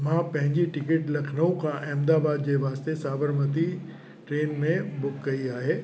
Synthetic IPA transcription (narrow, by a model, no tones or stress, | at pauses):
mãpɐ̃ɦɪ̃ɲd͡ʑiʈɪkeʈlɐkʰnəõkaʔɛ̃ːmd̪aːbaːd̪̚d͡ʑeʋaːst̪esaːbəɾmət̪i | ʈɾeːnmẽbʊkɡɐiaːɦeː